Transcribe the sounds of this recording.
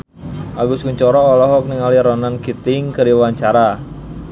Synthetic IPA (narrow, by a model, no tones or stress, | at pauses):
ʔaɡuskuɲt͡ʃɔɾɔːlɔɦɔk̚nɪŋaliɾɔnanɡit̪ɪŋkəɾiwaɲt͡ʃaɾa